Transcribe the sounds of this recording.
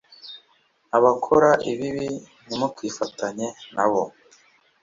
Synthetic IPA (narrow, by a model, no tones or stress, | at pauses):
aβakʰoɾaʔiβiβi | nimutwiːfataɲe̞nʔaβo